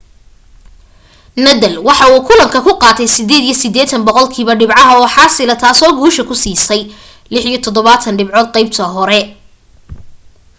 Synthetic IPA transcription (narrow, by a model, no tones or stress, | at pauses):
nɐðɐlwɑħɑuːkʰʊlɐmkʰɐkʰʊqɑːt̪ʰɛjsɪd̪eːd̪ijɞsɪd̪ɛːt̪ʰɐnbɔqɔlkʰiːβɐɖɪbʕɑɦɐɔːħɑːsɪlɐt̪ʰaːsɔːɡuːʃɐkʰʊsiːsɛj | lɪħijɔt̪ʰɔd̪ɔβaːt̪ʰɐnɖɪbʕɔːd̪̚qɛjb̚t̪ʰɐɦɔɾɛ